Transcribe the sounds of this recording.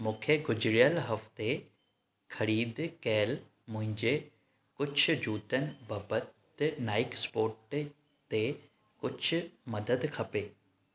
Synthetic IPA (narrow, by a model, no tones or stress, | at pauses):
mʊ̃ːkʰeɡʊd͡ʑɾijəlɦɐft̪e | kʰɐɾiːd̪kɛːl | mʊ̃ɦɪ̃ɲd͡ʑe | kʊt͡ʃʰd͡ʑuːt̪ənbɐbət̪naːɪkspoːɾʈ | t̪e | kʊt͡ʃʰmɐd̪əd̪kʰɐpeː